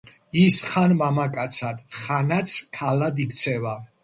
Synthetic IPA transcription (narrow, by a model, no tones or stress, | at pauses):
isχanmamakʼat̪sʰad̪̥χanat̪sʰkʰalad̪ikʰt̪sʰɛva